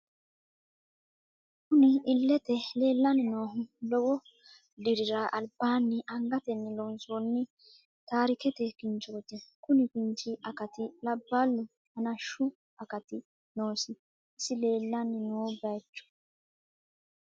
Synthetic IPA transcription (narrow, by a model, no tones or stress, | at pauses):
kʊnɪɪlːɛt̪ɛle̞ːlːɐnɪnoːɦʊlɔwɔ | d̪ɪɾɪɾaʔɐlbaːnːɪʔɐŋɡɐt̪ɛnːɪlonsoːnːɪ | t̪aːɾɪkɛt̪ɛkɪnt͡ʃːoːt̪ɪkʊnɪkɪnt͡ʃɪʔɐkɐt̪ɪlɐbːaːlːʊ | hɐnɐʃʊ | ɐkɐt̪ɪ | noːsɪ | ɪsɪle̞ːlːɐnːɪnoːbɐjt͡ʃːɔ̥